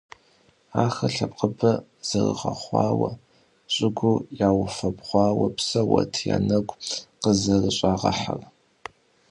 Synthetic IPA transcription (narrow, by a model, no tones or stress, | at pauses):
aːxɐɬɐp̚ʼqəbɐ | z̥ɐrɨ̰ʁɐχʷɑːwɐ | ɕʼɪɡʷujaːwʊfɐbʁʷɑːwɐpsɐwɐ̰tʰja̰nɐɡʷʼqəzɐrɨɕʼaːʁɐħar